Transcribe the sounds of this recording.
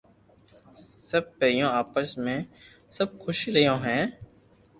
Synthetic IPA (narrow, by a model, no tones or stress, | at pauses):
səb̚peːjõːaːpəɾsmẽː | səb̚xʰʊʃɾəjõːɦɛ̃ː